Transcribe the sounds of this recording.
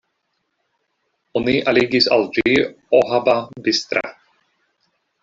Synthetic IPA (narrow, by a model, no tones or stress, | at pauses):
oniʔaliːɡisa̰lˠd͡ʒi | ɔɦababɪst̪ɾa̰